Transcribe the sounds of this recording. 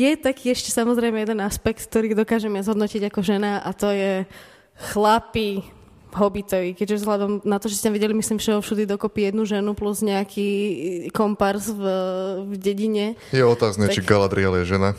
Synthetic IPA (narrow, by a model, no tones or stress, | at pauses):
jɛt̪akiːɛʃcɛsamɔzɾɛɪmɛjɛd̪ɛnaspɛk̚t̪kt̪ɔɾiːd̪ɔkaːʒɛmɛazɦɔd̪nɔciɟakɔʒɛnaʔat̪ɔjɛ | xlapi | ɦɔbit̪ɔʋikɛɟʒɛzɔɦlad̪ɔmnat̪ɔʒɛscʲɛt̪amʋiɟɛlimislimfʃɛɔfʃud̪id̪ɔkɔpijɛd̪nuʒɛnupluzɲɛakʰikɔmpaɾzvvɟɛɟiɲɛjɛɔt̪aːznɛt͡ʃiɡalad̪ɾialjɛʒɛna